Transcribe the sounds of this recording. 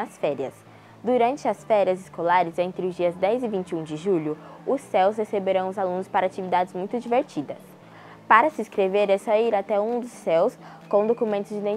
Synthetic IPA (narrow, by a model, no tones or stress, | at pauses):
ɐsfɛɾiɐs | d̪uɾɐ̃nt͡ʃɪɐsfɛɾiɐzɪskolaɾɪzẽnt̪ɾɪʊzd͡ʒiɐzd̪ɛzɪvĩnt͡ʃɪũd͡ʒɪʒuʎʊʊsːɛwshesebeɾɐ̃w̃ʊzalũnʊspaɾat͡ʃivid̪ad͡ʒɪzmũj̃t̪ʊd͡ʒiveɾt͡ʃid̪ɐs | paɾɐsɪiskɾeveɾɛsɔiɾat̪ɛũd̪ʊsɛws | kõw̃d̪okumẽnt̪ʊzd͡ʒɪid̪ẽ